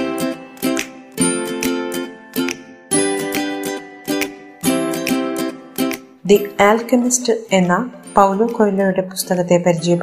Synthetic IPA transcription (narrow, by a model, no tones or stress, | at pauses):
d̪iaːlkɐmisʈɨenːapɐwloːkojlɐɾuɽe̞pu̥st̪ɐɣɐt̪ːe̞pɐɾid͡ʑijɐp